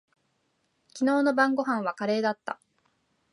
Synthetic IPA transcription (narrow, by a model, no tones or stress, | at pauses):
kʲino̞ːno̞bãŋɡo̞ɦãɰ̃βakaɾe̞ːd̪at̪ːa̰